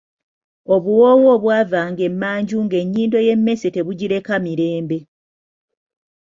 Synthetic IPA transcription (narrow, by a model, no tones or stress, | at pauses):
o̞βuwo̞ːwoːβwaːvaːŋɡe̞mːaːɲɟuŋɡe̞ɲːiːndo̞je̞mːe̞sete̞βuɟiɾe̞kamiɾe̞ːmbe̞